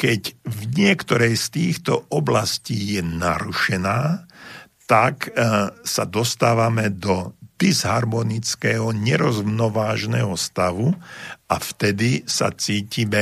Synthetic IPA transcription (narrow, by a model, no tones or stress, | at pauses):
kɛcvɲɪɛkt̪ɔɾɛjst̪iːxt̪ɔɔblasciːjɛnaɾuʃɛnaː | t̪aksad̪ɔst̪aːʋamɛd̪ɔd̪ɛzɦaɾmɔnit͡skɛɦɔɲɛɾɔzmnɔʋaːʒnɛɦɔst̪aʋuaft̪ɛd̪isa̰t͡siːcimɛ